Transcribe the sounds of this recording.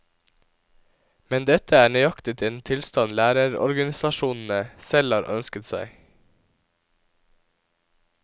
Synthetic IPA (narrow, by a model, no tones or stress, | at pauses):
mɛnd̪ɛt̪əæːɳœʏɑkt̪ɪt̪ʰɪent̪ʰɪlst̪ɑnlæːɾəɾɔ̰ɾɡɑnɪsɑʃuːnn̩əsɛlɑːɾʔœ̰nskət̪sæ̰ɪ